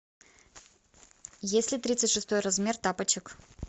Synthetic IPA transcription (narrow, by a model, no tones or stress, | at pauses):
jesʲlʲɪt̪ɾʲit̪sɨtʲʂɨst̪o̞jrɐzmʲe̞rt̪apət͡ɕɪk